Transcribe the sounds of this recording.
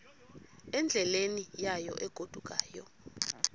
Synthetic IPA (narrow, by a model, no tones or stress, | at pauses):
ɛnd͡ɮʱɛlenijajɔ̰ʔɛɡ̥ʱod̥ʱuk̬ʼaːjɔ̰